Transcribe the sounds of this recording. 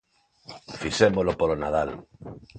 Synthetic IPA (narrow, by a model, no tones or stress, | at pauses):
fisemolopolonað̞al